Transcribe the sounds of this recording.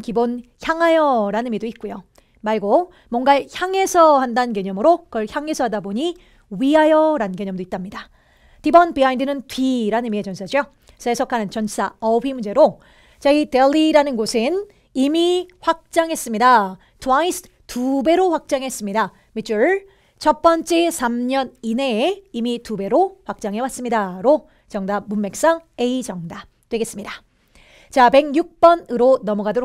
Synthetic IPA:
kibonçjaŋɦajʌɾanimidoit̚k͈ujo | maɭɡo | mwʌŋɡaçjaŋe̞sʰʌhandaɯnkjeɲʌmɯɾokʌɭçjaŋɦe̞sʰʌɦadaboɲi | ɥiɦajʌɾankjeɲʌmdoit͈amɲida | tibʌnpiaindɯnɯntiɾanimiet͡ɕʌnsʰad͡ʑo | sʰesʰʌkʰanɯnt͡ɕʌns͈aʌɸimund͡ʑe̞ɾo | t͡ɕaiteɭːiɾanɯnɡosʰɯn | imiɸwak̚t͡ɕ͈aŋɦe̞s͈ɯmɲida | tʰuaisʰ | tube̞ɾoɸwak̚t͡ɕ͈aŋes͈ɯmɲida | mit͡ɕ͈ʰuɭ | t͡ɕʌp͈ʌnt͡ɕ͈e̞sʰamɲʌnine̞imitube̞ɾoɸwak̚t͡ɕ͈aŋɦe̞was͈ɯmɲidaɾo | t͡ɕʌŋdamumːe̞k̚s͈ʌŋe̞id͡ʑʌŋda | tweɡe̞s͈ɯmɲida | t͡ɕape̞ɡjuk̚p͈ʌnɯɾonʌmʌɡadoɾ

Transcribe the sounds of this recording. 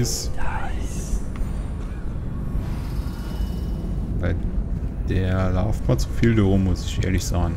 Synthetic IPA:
ɪs | vaɪd̥eːɐɐlaʊftbaːt͡su̥fiːldaʁʊmːʊsɪçʔḛːɐlɪçz̥aːɡŋ̩

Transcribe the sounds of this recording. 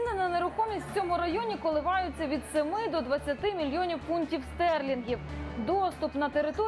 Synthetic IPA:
nɪnɐneɾʊkɔmʲisʲt̪ʲt͡sʲɔmʊɾɐjɔnʲikɔlˠɪʋɑjʊt͡sʲːɐʋʲid̪semɪd̪ɔd̪ʋɐt͡sʲːɐt̪ɪmʲilʲjɔnʲiwfuntʲiwst̪ɛrlʲinɦʲiwd̪ɔst̪ʊpnɐt̪eɾɪt̪ɔ

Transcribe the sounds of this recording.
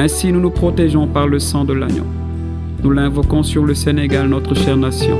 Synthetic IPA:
ɛ̃sinunupχɔt̪eʒɔ̃paʁləsɑ̃d̪əla̰ɲjɔ̰̃ | nulɛ̃vɔkɔ̃syʁləseneɡalnɔt̪χəʃɛʁnasjɔ̰̃

